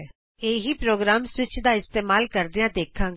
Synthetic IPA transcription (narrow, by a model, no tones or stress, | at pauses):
eːɦiːpɾoːɡɾaːmsʋɪt͡ʃd̪aːɪst̪eːmaːlkəɾd̪ɪjãːd̪eːkʰãː